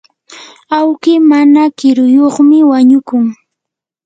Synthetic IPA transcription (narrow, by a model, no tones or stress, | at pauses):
awkɪmanakɪɾʊjoχmɪwaɲʊkʊŋ